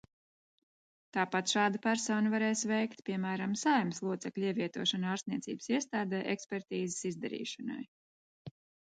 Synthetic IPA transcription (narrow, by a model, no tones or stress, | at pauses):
t̪aːpat̪ʃaːd̪apæɾsɔːnavaɾɛjsvɛjkt̪pʲiɛmæːɾamsajmslˠuɔt̪sɛklʲiɛviɛt̪uɔʃanaːɾst̪nʲiɛt̪sʲḭːbsiɛst̪aːd̪ɛːʔekspʲɛɾt̪iːzɪ̥sizd̪ɛɾḭːʃana̰j